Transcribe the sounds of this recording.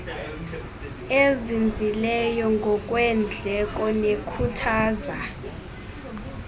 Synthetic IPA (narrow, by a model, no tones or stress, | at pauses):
ezind͡zʱilɛjɔŋɡʱɔkʼwɛnd͡ɮʱɛk̬ʼɔnekʰutʰaːza